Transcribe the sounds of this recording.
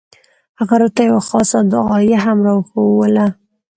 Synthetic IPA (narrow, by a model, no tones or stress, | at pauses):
haɣaɾot̪ajawaxɑsad̪əɣɑjaɦamɾɑwxowəla